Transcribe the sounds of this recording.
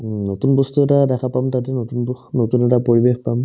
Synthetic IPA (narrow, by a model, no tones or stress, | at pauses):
notunbɔstuɛtadɛkʰapamtatɛnotunbɔxnotunɛtapoɹibexpam